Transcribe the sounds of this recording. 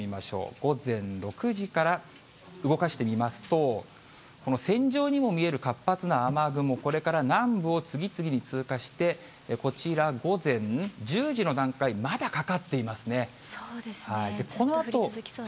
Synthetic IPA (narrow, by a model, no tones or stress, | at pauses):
imaɕo̞̰ːɡ̥o̞zẽ̞nɾo̞kɯ̟ʑikaɾa | ɯ̟ɡo̞kaɕi̥t̪e̞mʲimasɨ̥t̪o̞ | ko̞no̞sẽ̞ɲ̟d͡ʑo̞ːɲ̟imo̞mʲie̞ɾɯ̟kapːat͡sɨnaːmaɡɯ̟mo̞ko̞ɾe̞kaɾanãmbɯ̟o̞t͡sɨɡʲit͡sɨɡʲiɲ̟it͡sɨːkaɕi̥t̪e̞ | ko̞t͡ɕiɾaɡo̞zẽ̞nd͡ʑɨːʑino̞d̪ãŋkaimad̪akakat̪ːe̞imasɨne̞sod̪eshaid̪e̞kʰo̞noat̪o̞